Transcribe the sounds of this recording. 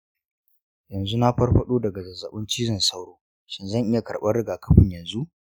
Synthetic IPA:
jɐ˨nzu˦na˦ɸɐ˦rɸɐ˦ɗoː˦dɐ˨ɡa˨zɐ˨zɐ˨ɓɪ˦nt͡ʃiː˦zɪ˨nsa˦wɽoː˦ | ʃɪ˦nzɐ˦˨ŋʔɪ˦ja˨kɐ˨rɓɐ˦rɽɪ˦ɡaː˨kɐ̥˦ɸɪ˦ɲjɐ˨nzu˦ʔ

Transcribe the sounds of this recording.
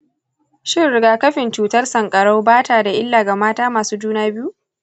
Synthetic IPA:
ʃɪ˦ɽɪ˦ɡaː˨kɐ˦ɸɪ˨nt͡ʃuː˨tɐ˦rsɐ˨ŋkʼɐ˨ɽa˦wbaː˦taː˨da˨ʔɪ˦lːaː˨ɡa˨maː˦taː˦maː˨suː˦d͡ʒuː˦naː˦bɪ˦ju˦

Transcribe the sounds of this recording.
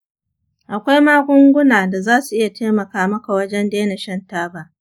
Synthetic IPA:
ʔa˨kʷa˦jmaː˦ɡʷʊ˦ŋɡʷʊ˦naː˨da˨zaː˦su˨ʔɪ˦ja˨teː˦mɐ˨kaː˦mɐ˦ka˨wɐ˦d͡ʒɛ˦ndeː˦na˨ʃɐ˦ntaː˦baː˨

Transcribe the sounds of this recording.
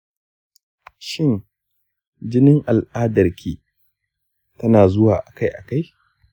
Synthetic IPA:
ʃɪ˦˨n | d͡ʒɪ˦nɪ˦ŋʔa˨lʔaː˦dɐ˨rkʲʰiː˦ | tɐ˦naː˨zʊ˦waː˨ʔa˨ka˦jʔa˨ka˦j

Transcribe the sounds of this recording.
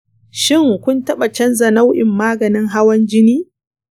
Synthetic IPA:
ʃɪ˦˨ŋkʷʊ˦ntɐ˦ɓa˨t͡ʃɐ˦nzɐ˨na˦wʔɪ˨mːaː˦ɡɐ˨nɪ˦ŋɦa˦wɐ˦nd͡ʒɪ˦niː˦

